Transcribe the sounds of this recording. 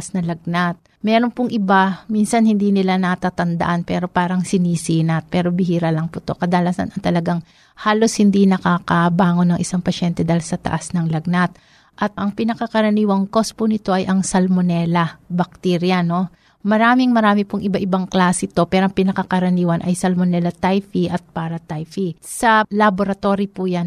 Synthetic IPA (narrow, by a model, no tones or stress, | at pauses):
snɐlɐɡ̚nat̪̚ | mɛɾo̞npʊŋʔɪbaminsɐnhɪnd̪iːnɪlanɐt̪aːt̪ɐnd̪ɐ̰ʔanpɛːɾo̞paːɾɐŋsɪniːsinɐt̪̚pɛːɾo̞bɪhiːɾɐlɐŋpʊt̪o̞̰kɐd̪alasɐ̰nʔɐŋt̪ɐlɐɡaŋ | haːlo̞shɪnd̪inɐkaːkɐbaːŋo̞nɐŋʔɪsaŋpɐʃɛnt̪ɛd̪ajlsɐt̪ɐ̰ʔasnɐŋlɐɡ̚nat̪̚ | ʔɐt̪̚ʔɐŋpɪnɐkɐkɐɾɐniːwɐŋko̞spʊnɪt̪o̞ʔɐjʔɐŋsɐlmonɛːlɐbɐk̚t̪iɾjɐno̞ | mɐɾaːmɪŋmɐɾaːmɪpʊŋʔɪbaʔɪbaŋklaːsɛt̪o̞pɛːɾo̞ʔɐŋpɪnɐkɐkɐɾɐniːwɐnʔɐ̰jsɐlmonɛlɐt̪ajfiʔɐt̪̚paːɾɐt̪ajfisɐlɐboɾɐt̪o̞ɾipujan